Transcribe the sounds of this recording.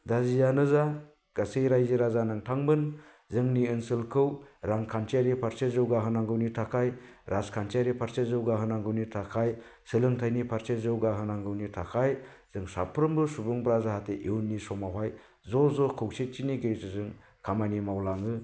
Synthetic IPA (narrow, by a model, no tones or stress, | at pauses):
dazijanɯza | ɡ̥asejɾajziɾazanɯŋtʰaŋbɯn | zɯŋniɯnsɯlkʰɯwɾaŋkʰant͡ʃʰiaɾipʰaɾsezɯwɡaɦɯnaŋɡɯwnitʰakʰaj | ɾʔaskʰant͡ʃʰaɾipʰaɾszɯwɡaɦɯnaŋɡɯwnitʰakʰajsɯlɯŋtʰajnipʰaɾsezɯwɡaɦɯnaŋɡɯwnitʰakʰajz̥ɯŋsa̰pʰɾɯmbɯsubɯŋbɾazaɦatʰeʔiwnːisɔmawaj | zɔzɔkʰɯwset͡ʃiniɡejzɯzɯŋ | kʰamanimawlaŋɯ